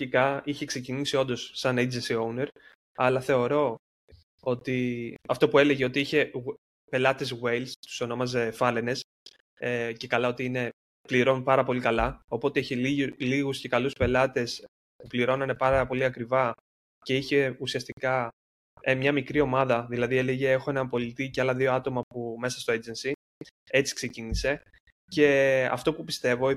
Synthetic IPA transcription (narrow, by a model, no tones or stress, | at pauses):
ikɐiçe̞ksecinisio̞nd̪o̞sːɐned͡zensiowne̞ɾ | ɐlɐθe̞o̞ɾo̞ | o̞t̪iɐft̪o̞pue̞leʝeot̪iiçe̞ | pe̞lɐt̪e̞zɣwe̞jlst̪u̥so̞no̞mɐzefɐlene̞s | ece̞kɐlɐot̪iine̞ | pliɾo̞npɐɾɐpo̞likɐlɐo̞po̞t̪e̞içeliliɣusce̞kɐluspe̞lɐt̪e̞s | pupliɾo̞nɐne̞pɐɾɐpo̞liɐkɾivɐ | ce̞içe̞usiɐst̪ikɐ | emɲɐmikɾio̞mɐðɐðilɐðieleʝeexoe̞nɐmpo̞lit̪iceɐlɐðio̞ɐt̪o̞mɐpume̞sɐst̪o̞ed͡zensi | e̞t͡si̥ksecinise̞ | ce̞ɐ̰ft̪o̞pupist̪e̞vo̞